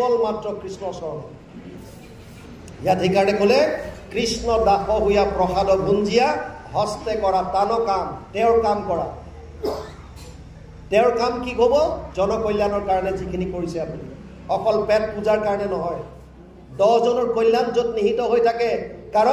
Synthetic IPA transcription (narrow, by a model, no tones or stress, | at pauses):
ɔlmatɹɔkɹisnɔsɔɹnɔ | jatɦekaɹɔnɛkolɛkɹisnɔdaxʰɔɦujapɹɔxadɔbʱunzija | ɦɔstɛkɔɹatanɔkamtɛʊɹkamkɔɹa̰ | tɛʊɹkamkikobɔzɔnɔkojlːanɔɹkaɹɔnɛzikʰinikoɹisɛapuni | ɔkɔlpɛt̚puzaɹkaɹɔnɛnɔɦɔj | dɔzɔnɔɹkojlːanzotniɦitɔɦojtʰakɛkaɹɔ